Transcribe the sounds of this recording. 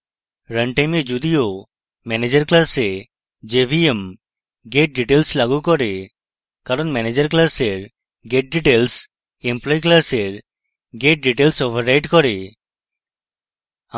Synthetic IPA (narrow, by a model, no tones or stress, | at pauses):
ɾəɳʈajmed͡ʒud̪ijo | mɛned͡ʒəɾklase | d͡ʒebʱiem | ɡeʈ̚ɖiʈelslaɡukɔɾe | kaɾɔnmɛned͡ʒəɾklaseɾ | ɡeʈ̚ɖiʈels | emplɔjklaseɾ | ɡeʈ̚ɖiʈelsɔbʱəɾajʈkɔɾe